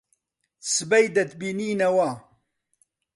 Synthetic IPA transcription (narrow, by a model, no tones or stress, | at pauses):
sɨbɐjd̪ɐt̪biniːnɐwa